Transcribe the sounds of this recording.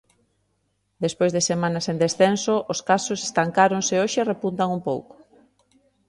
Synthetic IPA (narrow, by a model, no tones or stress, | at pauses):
d̪espojzðesemanasẽnd̪esθensoʔoskasose̥st̪aŋkaɾoŋseoʃeerepunt̪aŋumpowko̥